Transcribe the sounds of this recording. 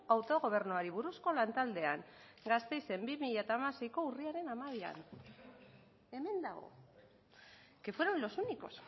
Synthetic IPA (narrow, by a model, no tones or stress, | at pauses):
awt̪o̞ɣ̞o̞β̞e̞ɾnuaɾiβ̞uɾusko̞lant̪ald̪e̞aŋ | ɡast̪e̞jse̞mbimiʎat̪amase̞jko̞uriaɾe̞namaβia̰n | e̞me̞nd̪aɣ̞o̞̰ | ke̞fwe̞ɾonlo̞suniko̞̰s